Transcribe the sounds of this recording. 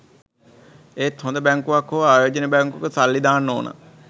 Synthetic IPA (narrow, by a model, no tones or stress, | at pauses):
eːt̪ɦond̪əbɛŋkuʋakʰːoʋaːjoːd͡ʒənebɛŋkukəsalːid̪aːnːoːnʔə̰